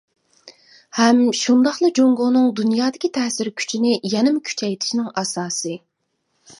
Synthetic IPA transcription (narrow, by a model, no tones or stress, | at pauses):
hɛmʃund̪ɑχlˠɨd͡ʒoŋɡʊnɨŋd̪unjɑːd̪ɪkʲʰit̪ʰɛsɪɾkʲʰy̥t͡ʃʰinɪjɛnɪmkʲʰy̥t͡ʃʰɛjt̪ʰɪ̥ʃinɪŋɑsɑːsɨ